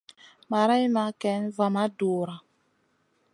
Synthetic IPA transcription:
ma˨ɾa˦i˦ma˨˦kɛ˨˦n˦va˨ma˦doː˨ɾa˨

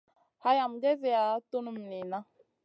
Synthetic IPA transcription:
ha˦ja˨m̩˨d͡ʒɛ˦zɛ˨ja˨˦tu˦nu˦m̩˨ni˨na˦

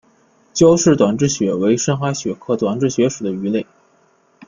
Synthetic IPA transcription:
t͡ɕjɑ˥ʊʂɻ̩˥˩t̪wa˨˩nʈ͡ʂɻ̩˥˩ɕɥɛ˧˥we˧˥ɪʂə˥ŋxa˧˥ɕɥɛ˧˥kʰɤ˥˩t̪wa˨˩nʈ͡ʂɻ̩˥˩ɕɥɛ˧˥ʂu˨˩d̪ə˦y˧˥le˥˩ɪ

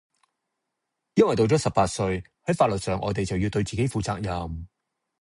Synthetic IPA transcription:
jɐ˥nwɐ˨jt̪o˧wt͡sɔː˨˥sɐ˨p̚paː˧t̚sɵ˧ɥ | hɐ˨˥jfaː˧t̚lɵ˨t̚sœː˨ŋʔɔ̰ː˨˧t̪e˨jt͡sɐ˨wjiː˧wt̪ɵ˧ɥt͡siː˨ke˨˥jfuː˨˧t͡saː˧k̚jɐ˨m

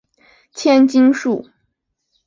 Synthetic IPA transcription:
t͡ɕʰjɛ˥nt͡ɕi˥ŋʂu˥˩

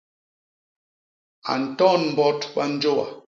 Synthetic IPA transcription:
a̰˨n̩˨tɔ˦˨nm̩˨bɔ˦twa˦n̩˦d͡ʒo˦wa̰˨

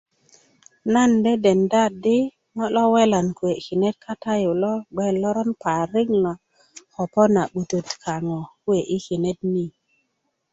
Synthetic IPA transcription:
na˦˨nde˦de˨nda˦di˦ | ŋɔ˦lɔ˦we˦la˨nkwe˨ki˨ne˦t̚kʰa˦ta˦ju˨lɔ˦ɡ͡be˦˨lːɔ˦ɾɔ˦npa˨ɾi˦ŋna˨ | xɔ˨pɔ˦na˨ɓu˨to˨tkʰa˨ŋɔ˨ku˦e˨ʔi˦ki˨ne˦t̚ni˦

